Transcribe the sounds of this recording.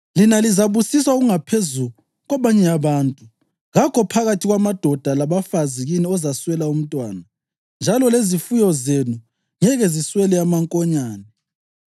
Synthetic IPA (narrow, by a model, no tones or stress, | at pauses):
linalizaβusiswauɣuŋapʰezu | ɣwaβaɲɛaβaːntʼu | ɣakʰɔpʰaɣatʰiɣwamad̥ʱɔd̥ʱalaβafaziɣiniɔzaswɛlaum̩tʼwa̰ːna | nd͡ʒʱalɔlezifujɔzenu | ŋɛɣɛziswɛlɛamaŋkʼɔɲaːnɛ